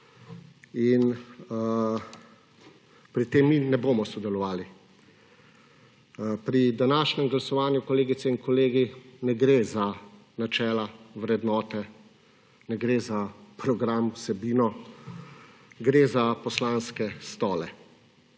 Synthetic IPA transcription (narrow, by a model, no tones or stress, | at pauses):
in | pɾit̪eːmːinɛboːmɔsɔd̪ɛlɔʋaːli | pɾid̪anaːʃnɛmɡlasɔʋaːnjukɔleːɡit̪sɛinkɔleːɡinɛɡɾeza | nat͡ʃɛːlaʋɾɛd̪nɔːt̪ɛ | nɛɡɾeːzapɾɔɡɾamwsɛbiːnɔ | ɡɾeːzapɔslaːnskɛst̪ɔːlɛ